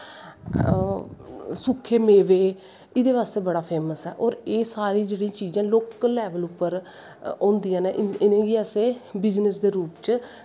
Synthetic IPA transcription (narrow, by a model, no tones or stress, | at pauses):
sʊkʰːeːmeːʋeː | ɪd̪eːʋaːst̪eːbəɽaːpʰeːməsɦɛ̰ːʔɔːɾeːsaːɾiːd͡ʒeːɽĩːt͡ʃiːd͡ʒãːloːklɛːʋəlʊpːəɾ | ɔ̃ːnd̪ijãːneʔɪnẽːɡiːəseːbɪznəsd̪eːɾuːpt͡ʃ